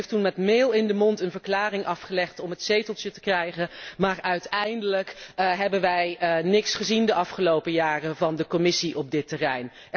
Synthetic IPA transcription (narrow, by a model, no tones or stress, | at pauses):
ftunmɛtmeːlˠɪndəmɔntənvəɹklaːrɪŋʔɑfχəlɛχtɔmɦətsejtəlˠtjətə̥krɛjχənmaːɹœɥtɛjndələkɦɛbənʋɛjnɪksχəzindəʔɑfχəlowpəjaːrəvɑndəkɔmɪsiʔɔb̚dɪtərɛjn